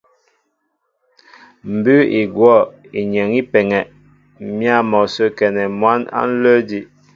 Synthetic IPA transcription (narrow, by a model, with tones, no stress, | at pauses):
m̩˨bʉ˦i˨ɡwɔ˦˨ | i˨ɲə˨ŋi˦pɛ˨ŋɛ˨ʔ | mja˦˨mɔ˨sə˦kɛ˨nɛ˨mwa˦na̰˦n̩˦lə˦di˦